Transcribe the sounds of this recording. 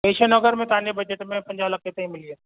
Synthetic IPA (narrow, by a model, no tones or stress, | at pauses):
peːʃənɔːɡəɾmẽt̪aːnjebɐd͡ʒəʈmẽpɐ̃ɲd͡ʒaːləkːet̪ɐɦĩmɪlie